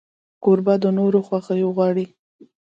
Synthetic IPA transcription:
koɾbad̪ənoɾoxwaxəjoɣwɑɽi

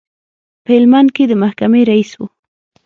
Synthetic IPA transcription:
pelmankɪd̪ɪmahkamɪɾajswʊ̰

